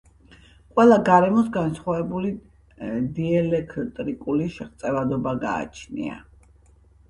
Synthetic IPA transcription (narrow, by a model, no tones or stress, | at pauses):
qʼwɛlˠaɡaɾɛmɔsɡansχwavɛbuli | d̪iɛlɛkʰt̪ʼɾikʼuliʃɛχt̪sʼɛvad̪ɔbaɡa̰ːt͡ʃʰnḭa̰